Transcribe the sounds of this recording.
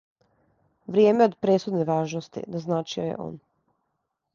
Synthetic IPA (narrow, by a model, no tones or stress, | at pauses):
ʋɾjeːme̞o̞d̪pɾesud̪neʋaːʒnost̪ḭnaznaːt͡ʃiojḛʔo̞̰ːn